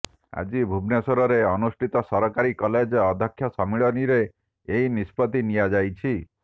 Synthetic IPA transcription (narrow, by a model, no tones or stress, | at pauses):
a̰d͡ʒibʱubnesɔɾɔɾeɔnusʈʰit̪ɔsɔɾɔkaɾikɔled͡ʒɔd̪ʱɔkʰjɔsɔmiɭɔniɾeː | inispɔt̪inijad͡ʒajt͡ʃʰi